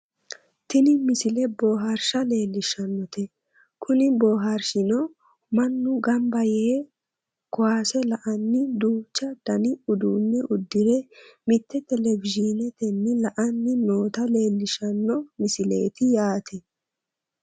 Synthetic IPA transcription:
t̪ɪnɪmɪsɪlɛbo̞ːɦɐɾʃɐle̞ːlːɪʃɐnːɔt̪ʰɛ | kʰʊnɪbo̞ːɦɐɾʃɪnɔ | mɐnːʊɡɐmbɐjeː | kɔwaːsɛlɐʔɐnːɪd̪uːt͡ʃːɐd̪̥ɐnɪʊd̪uːnːɛʔʊd̪ːɪɾɛmɪt̪ːɛt̪ɛlɛvɪd͡ʒinɛt̪ɛnːɪlɐʔɐnːɪno̞ːt̪ɐle̞ːlːɪʃɐnːɔmɪsɪle̞̰ːt̪ɪjaːt̪ʰɛ

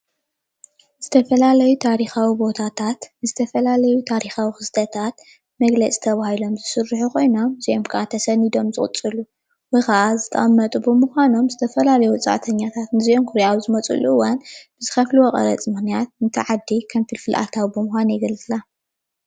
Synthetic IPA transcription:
z̥ɨt̪ʰɐfɐlalɐjut̪ʰaɾixawibo̞t̪ʰat̪ʰat̪nɨzɨt̪ʰɐfɐlalɐjut̪ʰaɾixawixɨsd̪ʰɐt̪ʰat̪̚ | mɐɡlɐt͡sʼi̥t̪ʰɐβahilo̞mzɨsɨrːɨħuko̞jno̞mziʔomkʰɐʔat̪ʰɐsɐnid̪o̞mzɨkʼʊ̰t͡sʼɨlu | wɐjxɐʔazɨt̪ʰɐ̰ʔʼɐmːɐt̪ʼubɨmuxʷano̞mzɨt̪ʰɐfɐlalɐjut͡sʼa̰ʕt̪ʰɐɲːat̪ʰat̪nɨziomkʰuɾaawzɨmɐt͡sʼṵluɨwːanb̥ɨzɨxɐfluwokʼɐ̰ɾɐ̰t͡sʼmɨxnijat̪̚nɨt̪ʰɨʕad̪ːikʰɐmfilfɨlʔa̰t̪ʰawibɨmʊxʷanjɛɡɐlt͡sʼla

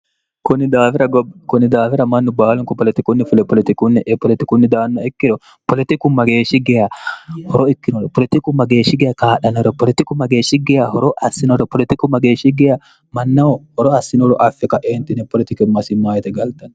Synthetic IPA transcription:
kʊnːɪd̪aːfɪɾɐɡɔbkʊnːɪd̪aːfɪɾɐmɐnːʊbaːlʊŋkɔpɔlɛt̪ɪkʊnːɪfʊlpɔlɪt̪ɪkʊnːɛʔpɔlɪt̪ɪkʊnːɪd̪aːnːɐɪkːɪɾɔ | pɔlɪt̪ɪkʊmɐɡeːʃːɪɡɛjɐhɔɾɔɪkːɪnɔɾɛpɔlɪt̪ɪkʊmɐɡeːʃɪɡɛjkaːᶑɐnɔɾɔpɔlɪt̪ɪkʊmɐɡeːʃɪɡɛjɐhɔɾɔʔɐsːɪnɔɾɔpɔlɪt̪ɪkʊmɐɡeːʃɪɡɛjɐ | mɐnːɐɔhɔɾɔɐsːɪnɔɾɔʔɐfːɪkɐʔeːnt̪ɪnɛpɔlɪt̪ɪkɪmɐsɪmaːjɛt̪ɛɡɐlt̪ɐn

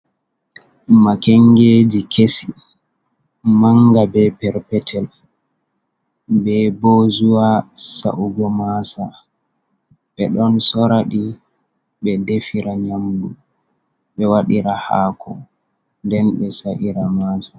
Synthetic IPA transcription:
makɛŋɡeːd͡ʒikʰesi | maŋɡabɛpɛɾpɛtʰɛl | bɛboːzuwasa̰ʔuɡɔmasa | ɓɛɗɔnsɔɾaɗi | ɓɛdefiɾaɲamdu | ɓɛwaɗiɾahaːkʰɔ̰ | ndɛnɓɛsaʔiɾamaːsa

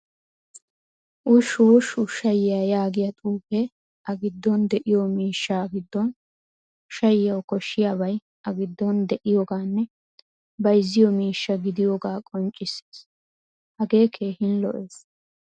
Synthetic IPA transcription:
ʔʊʃuːʃʊʃɐjɪjajaːɡɪjɐt̪ʼuːfe | ʔɐɡɪd̪ːɔnd̪ɛʔɪjɔmiːʃːaːɡɪd̪ːɔn | ʃɐjɪjɐwkɔʃːɪjaːbɐj | ʔɐɡɪd̪ːɔnd̪ɛʔɪjoːɡaːnːɛ | bɐjzːɪjɔmiːʃːɐɡɪd̪ɪjoːɡaːkʼɔnt͡ʃʼːɪsːe̥ːs | hɐɡe̞ːkʰe̞ːhɪnlɔ̰ʔeːs

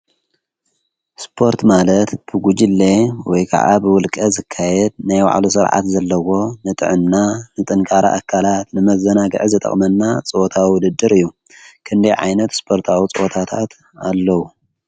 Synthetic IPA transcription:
spʰo̞ɾt̪malɐt̪b̥ɨɡud͡ʒilːewɔjkʰa̰ʕa̰bɨwʊlkʼɐzɨkʰːajɛd̪̚najwa̰ʕlusɨɾʕa̰t̪zɐlːɐwo̞nɨt̪ʼɨ̰ʕɨmnanɨt̪ʼɨnkʼaɾa̰ʔakʰːalat̪nɨmɐzɐnaɡɨ̰ʕɨzɨt̪ʼɐ̰χʼmɐnːat͡sʼɨʔot̪ʰawiwʊd̪ɨd̪ːɨɾɨjːu | kʰɨnd̪ɐjʕa̰jnɐt̪spʰo̞ɾt̪ʰawit͡sʼɨot̪ʰat̪ʰat̪ | alːɐwu

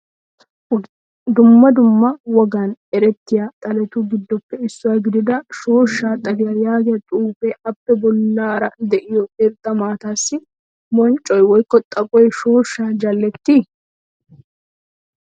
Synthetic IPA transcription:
d̪ʊmːɐd̪ʊmːɐwɔɡaːnɛɾɛt̪ːɪjat̪ʼɐlɛt̪uːɡɪd̪ːɔpːɛɪsːʊwaːɡɪd̪ɪd̪ɐʃo̞ːʃːaːt̪ʼɐdɪjajaːɡɪjɐt̪ʼuːfeːɐpːɛbɔlːaːɾɐd̪ɛʔɪjɔkɛɾt̪ːɐmaːt̪aːsːɪ | mɔnt͡ʃʼːɔjwɔjkːɔt̪ʼɐkʼɔjʃo̞ːʃːaːd͡ʒɐlːɛt̪ːi

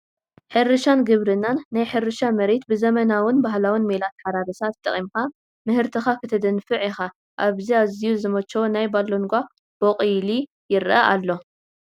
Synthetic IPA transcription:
ħɨɾɨʃanɡɨβɾɨnːanːajħɨɾɨʃamɐɾet̪̚bɨzɐmɐnawɨnbaɦlawɨnmelat̪ħaɾaɾɐsat̪̚t̪ːɐχʼimka | mɨhɨɾt̪ʰɨxakʰɨt̪ʰɐd̪ɨnfɨʕixa | ʔaβziazijuzɨmɐt͡ʃːowonajbaloŋɡʷa | b̥oqʼɨjli | jɪɾʔɐʔalːo̞

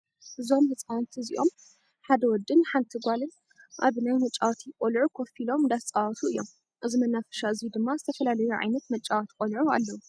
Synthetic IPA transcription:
ʔɨzomhɨt͡sʼawnt̪ʰɨzḭʔo̞m | ħad̪ɐwɔd̪ːɨnħant̪ʰɨɡʷalɨn | ʔa̰βnajmɐt͡ʃʼːawt̪ʰikʼolʕukʰo̞filo̞md̪ast͡sʼawt̪ʰuɨjːo̞m | ʔɨzimɐnːafɐ̥ʃaɨzid̪ɨmːazɨt̪ʰɐfɐlalɐjuʕa̰jnɐt̪mɐt͡ʃʼːawt̪ʰikʼolʕua̰lːɐwu

